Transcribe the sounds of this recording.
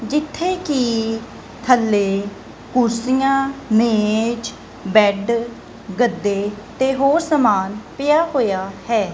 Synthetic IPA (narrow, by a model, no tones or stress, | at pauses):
d͡ʒɪt̪ʰːeːkiː | t̪ʰəlːeː | kʊɾsijãːneːt͡ʃ | bɛːɖ | ɡəd̪ːeːt̪eːɦoːɾsəmaːnpɪjaːɦoːjaːhɛː